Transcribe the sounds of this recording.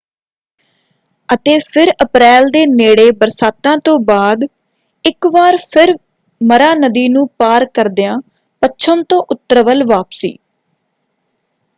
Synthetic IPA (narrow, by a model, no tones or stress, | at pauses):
ət̪eːpʰɪɾəpɾɛːld̪eːneːɽeːbəɾsaːt̪ãːt̪õːbaːd̪ | ɪkʋaːɾpʰɪɾ | məɾaːnəd̪iːnũːpaːɾkəɾd̪jãː | pət͡ʃʰəmt̪õːʔʊt̪ːəɾəʋəlʋaːpsḭː